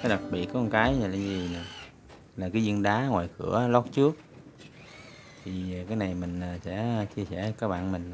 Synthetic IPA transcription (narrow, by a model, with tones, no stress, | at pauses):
kaː˨˦ɗa˨˩t̚ɓḭ˧˨ət̚kɔ˧nkaː˨˦ja˧˨la˨˧˩zi˨˩na˨˩ | laː˨˩kaː˨˦jzɨ˧nɗaː˨˦ŋwaː˨˩jkɨ˧˩əlɔ˦˥t̚t͡ɕɨ˦˥ək̚ | t̪ʰi˨˩˨kaː˨˦jna˨˩jmï˨˩ŋ̟a˨˩sɛ̰˧˥t͡ɕi˧əsɛ˧˩kaː˦˥k̚ɓa̰ː˧˨nmï˨˩ŋ̟